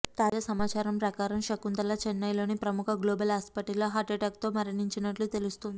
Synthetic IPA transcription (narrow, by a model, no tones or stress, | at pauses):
t̪aːd͡ʒasɐmaːt͡ʃaːɾɐmpɾɐkaːɾɐmʃɐkːunt̪ɐlat͡ʃenːɐjlo̞ːnipɾɐmukʰɐɡloːbɐlaspɐʈiloːɦaːʈeʈaːk̚t̪oːmɐɾɐɳiɲt͡ʃinɐʈlut̪elust̪und̪i